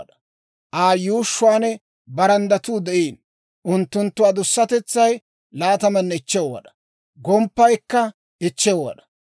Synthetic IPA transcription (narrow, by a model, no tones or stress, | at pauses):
ᶑɐ̥ | ʔaːjuːʃːʊwaːnɛ | bɐɾɐnd̪ɐt̪uːd̪ɛʔiːn | ʔʊnt̪ːʊnt̪ːʊwaːd̪ʊsːɐt̪ɛt͡sːɐj | laːt̪ɐmɐnːɛɪt͡ʃːɛwɐ̰ᶑɐ̥ | ɡɔmpːɐjkːɐ | ɪt͡ʃːɛwɐ̰ᶑ̪ɐ̥